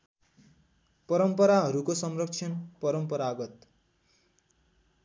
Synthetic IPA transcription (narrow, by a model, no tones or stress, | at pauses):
pʌɾʌmpʌɾaɦʌɾukosʌmrʌkt͡sʰʌnpʌɾʌmpʌɾaɡʌt̪